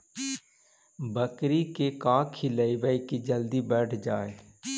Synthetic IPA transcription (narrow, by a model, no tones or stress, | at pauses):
bəkɾiːkeːkaːkʰːiləiːʋəikiːd͡ʒəld̪iːbɛːʈʰd͡ʒaːḛː